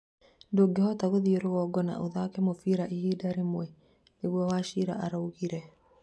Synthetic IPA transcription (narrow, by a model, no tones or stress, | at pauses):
ndoːɡehɔtaɣoðioɾoɣɔɡɔna̰ʔoðakɛmofiɾaʔiɣiːdaɾemwɛ | neɣwɔwaːʃiɾa̰ʔaɾauɣiɾɛ